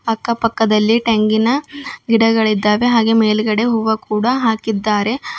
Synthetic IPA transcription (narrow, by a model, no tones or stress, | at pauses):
ɐkːɐpɐkːɐd̪ɐlːiʈeŋɡinɐɡiɽɐɡɐɭid̪ːaːʋe̞ɦaːɡe̞meːlɡɐɽe̞ɦuʋɐkuːɽɐɦaːkid̪ːaːɾe̞